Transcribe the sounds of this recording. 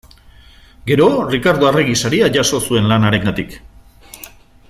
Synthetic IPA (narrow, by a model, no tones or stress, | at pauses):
ɡe̞ɾo̞rikaɾðoare̞ɣisaɾiaʝaso̞sue̞nlanaɾe̞ŋɡat̪ik